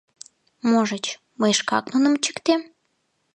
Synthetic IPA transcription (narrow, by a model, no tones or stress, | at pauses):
moʒət͡ɕ | məjʃkɑ̰knunə̆mt͡ɕə̥kt̪em